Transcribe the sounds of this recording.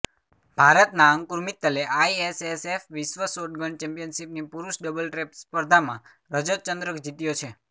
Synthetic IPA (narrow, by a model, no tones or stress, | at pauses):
bʱaɾət̪naə̃ŋkuɾmit̪ːəleʔaiesesefʋisʋəsoʈ̚ɡəɳɖt͡ʃɛ̃mpijənʃipnipuɾuʃɖəbəlʈɾepspəɾd̪ʱamã | ɾəd͡ʒət͡ʃənd̪ɾəkd͡ʒit̪ijot͡ʃʰe